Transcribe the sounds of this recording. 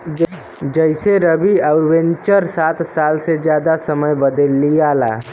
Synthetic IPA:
d͡ʒəɪseɾəbiaʊɾwẽɲt͡ʃəɾsaːt̪saːlsed͡ʒjaːd̪asɐməjbɐd̪əlːijaːla̰ː

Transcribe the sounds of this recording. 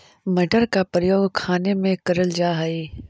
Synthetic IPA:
mɐɖəɾkapɾəjoːɡkʰaːnemẽkɐɾəld͡ʒaːɦɐiː

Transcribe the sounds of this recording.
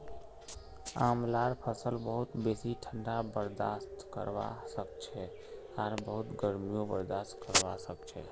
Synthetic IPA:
a̰mlaɾpʰəsəlbəɦut̪besiʈʰəɳɖabəɾd̪ast̪kə̰ɾba̰səkt͡ʃʰɛ | aɾbəɦut̪ɡəɾmijobəɾd̪ast̪kəɾbasək̚t͡ʃʰɛ̰

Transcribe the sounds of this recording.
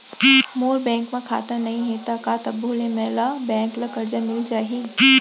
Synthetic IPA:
moːɾbɛ̃ːŋkmãkʰa̰ːt̪anɐɦĩɦet̪akaːt̪ɐbolẽmɛːlabɛ̃ːŋklɐkɐɾd͡ʒamɪlt͡ʃaːɦiiː

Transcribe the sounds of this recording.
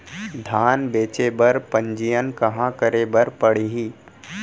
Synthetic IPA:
d̪ʱaːnbeːt͡ʃebɐɾpə̃ɲd͡ʒijənkɐɦãkəɾebəɾpɐɽ̤iɦiː

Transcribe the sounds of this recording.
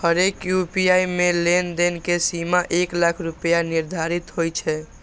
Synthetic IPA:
həɾekjupiaimelend̪enkesimaʔeklakʰɾupjaniɾd̪ʱaɾit̪ɦojt͡ʃʰɛ

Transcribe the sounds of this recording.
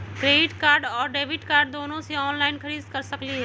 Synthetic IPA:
kɾeːɖɪʈkaːɾɖɔːɾɖeːʋɪʈkaːɾɖ̚d̪oːnõseɔːnlaːɪnkʰɐɾiːd̪kɐɾsɐkliɦɛː

